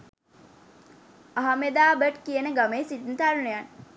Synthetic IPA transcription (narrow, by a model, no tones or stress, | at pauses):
aɦamed̪aːbəʈkijənəɡameːsit̪̚nt̪aɾunejan